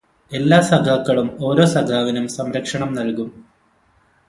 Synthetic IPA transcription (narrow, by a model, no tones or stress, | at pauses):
e̞lːaːsɐɡʱaːkːɐɭumo̞ːɾo̞ːsɐɡʱaːʋinumsɐmɾɐkʂɐɳɐmnɐlkum